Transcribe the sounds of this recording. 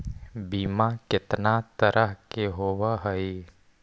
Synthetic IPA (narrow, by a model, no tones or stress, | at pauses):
biːmakɪt̪nat̪əɾʔəɦkeɦoːwaɦəi